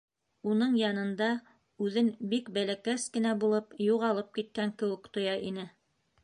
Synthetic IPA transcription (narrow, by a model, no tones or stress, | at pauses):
unɤɴjɑnɤ̆nd̪ɑ | ʉðɘnbikbælækæskɘ̆næbulˠɤpjuʁɑlˠɤp̚kit̪̚kæŋkɘ̆wɘkt̪ŏjɑʔinɘ